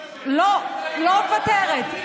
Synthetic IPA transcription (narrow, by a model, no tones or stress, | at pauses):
lolovat̪eʁet̪